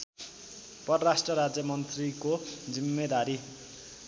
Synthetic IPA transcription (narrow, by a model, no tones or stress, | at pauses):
pʌɾrasʈrʌɾad͡zjʌmʌnt̪rikod͡zimːed̪aɾi